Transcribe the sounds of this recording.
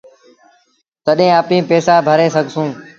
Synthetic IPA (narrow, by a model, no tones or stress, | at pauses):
t̪əɗẽːaːpĩːpeːsaːbʱəɾeːsəɡʱsũː